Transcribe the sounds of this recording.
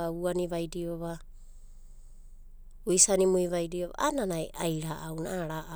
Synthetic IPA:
auaniβajdioβa | uisanimuiβajdioβa̰ʔananajʔajɾaʔawnaaɾaʔ

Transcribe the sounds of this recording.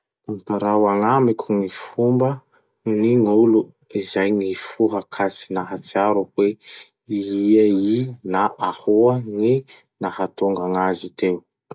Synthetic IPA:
ampaɾawaŋamikʲʰuŋifumbə | niŋulu | izajŋifuɦəkʰat͡si̥naɦat͡siaɾuhwe | iiainaʔahuəŋi | nahat̪uŋɡaŋazit̪ew

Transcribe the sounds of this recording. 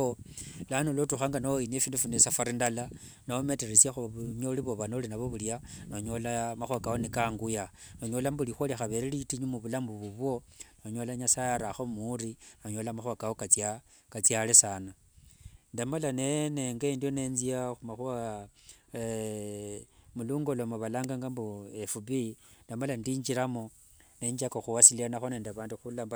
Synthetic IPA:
olanolotuxaːŋɡanaoiniefiːndufunesafaɾindala | naome̞teɾesjaxuɲoliβoβanolinaβoβuljanoɲo̞lamaxwakawonikaŋɡujanoɲolambulixoliaxaβe̞ɾelitiɲumuβulambuβuβwo̞noɲo̞laɲasajaɾaxomurinoɲolamaxwakawokat͡sja | kat͡sjalesana | ndamalaneneŋɡaendijo̞ne̞nziaxumaxua | muluŋɡo̞lomoβalaːŋɡaŋɡambuefubindamalandiːɲd͡ʒiɾamo | ne̞ːɲd͡ʒakoxuwasilianaxone̞ːndaβaːnduxulamb

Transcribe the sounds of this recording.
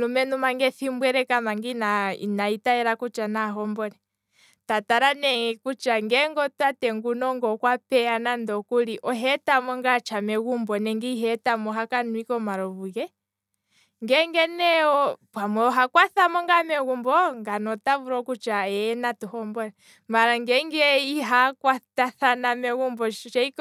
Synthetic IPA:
lumɛnumaŋɡɛθimbwɛɾɛkamaŋɡinaḭnaitaɛɾakut͡ʃanaɦɔmbɔnɛ | tataɾanɛkut͡ʃaŋɡɛŋɡɔtatɛŋɡunɔŋɡɔkwapɛanandɔkuliʔɔɦɛtamɔŋɡat͡ʃamɛɣumbɔnɛŋɡiɦɛtamɔɦakanwikɔmaɾɔvuɣɛ | ŋɡɛŋɡɛnɛɔpwamɛɔɦakwaθamɔŋɡamɛɣumbɔŋɡanɔtavuɾɔkut͡ʃaɛnatuhɔmbɔnɛ | maɾaŋɡɛŋɡɛiɦakwataθanamɛɣumbɔt͡ʃɛik

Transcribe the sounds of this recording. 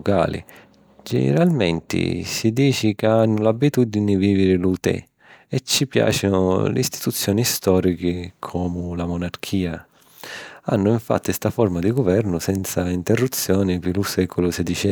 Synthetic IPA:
ka̰ːlḭ | d͡ʒɛ̰nḛɾalmɛnt̪ɪ̰sid̪iːt͡ʃikaanːʊlabːit̪ud̪inɪviːvɪɾɪlut̪ɛ̰ | ɛt͡ʃːipja̰ːt͡ʃinʊ̰lɪ̰ist̪i̥t̪ut̪sːjɔːnist̪ɔːɾikɪkʰɔːmʊlamɔnarkʰiːa | a̰nːʊiɱfa̰t̪ːist̪afɔrmad̪iɡʊvɛrnʊsɛnt̪saint̪ɛrːut̪sːjɔːnɪpɪlusɛkɔlʊsɛd̪it͡ʃɛ

